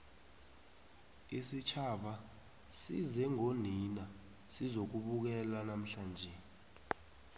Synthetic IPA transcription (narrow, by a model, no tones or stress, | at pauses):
isit͡ʃʰaɓa | sḭzɛŋonina | sizok̬uɓuk̬ɛlanam̩ɬaːnd͡ʒʱe